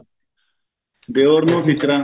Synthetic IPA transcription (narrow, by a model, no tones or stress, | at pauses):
d̪eoɾnofit̪ɾa